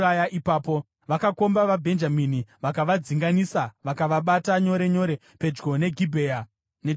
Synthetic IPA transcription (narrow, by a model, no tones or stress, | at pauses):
ajaʔipaːpo̞ | ʋakako̞mbaʋabʱe̞nd͡ʒaminiʋakaʋad͡ziŋɡanisaʋakaʋaɓataɲo̞ɾe̞ɲo̞ɾe̞ | pe̞d͡ʒɡo̞ne̞ɡʱibʱeːa | ne